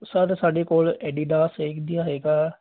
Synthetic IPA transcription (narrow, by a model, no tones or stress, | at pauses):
səɾsaːɖeːkoːlɛːɖiːɖaːseːkd̪ɪjaːɦeːɡaː